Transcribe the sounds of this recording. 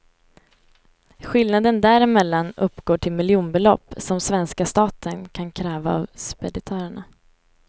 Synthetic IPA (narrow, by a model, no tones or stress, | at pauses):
ɧɪlnad̪ənd̪æɾɪmɛlːanɵpːɡ̥oːʈʰɪlmɪljuːnbɛlɔ̰pːsɔmsvɛnskast̪ɑːt̪ʰənkʰankʰɾɛːva̰ːvspɛd̪ɪt̪ʰœːɾəɳa